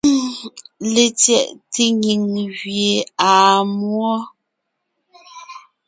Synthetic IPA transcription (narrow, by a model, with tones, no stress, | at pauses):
le˨tjɛ˦˨ʔte˦ŋi˨ŋɣje˨aː˨mwɔ˦